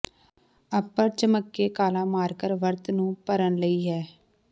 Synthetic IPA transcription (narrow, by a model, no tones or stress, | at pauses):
əpːəɾt͡ʃəməkːeːkaːlãːmaːɾkəɾʋəɾt̪nũːpəɾənləiːɦɛː